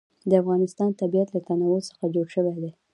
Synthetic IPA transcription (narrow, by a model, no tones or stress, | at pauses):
d̪əafɣɑnɪst̪ɑnt̪abijat̪lat̪anawəlsə̥xad͡ʒoɽʃəwed̪e